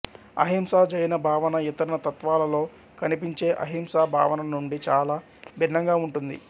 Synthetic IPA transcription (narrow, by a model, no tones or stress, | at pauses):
ɐ̰ɦimsaːd͡ʒɐjnɐbʱaːʋɐnɐit̪ɐɾɐnɐt̪ɐt̪ʋaːlɐlo̞ː | kɐnipiɲt͡ʃe̞ːʔɐ̰ɦimsaːbʱa̰ːʋɐnɐnuɳɖit͡ʃaːlaː | bʱinːɐŋɡaːuɳʈund̪ḭ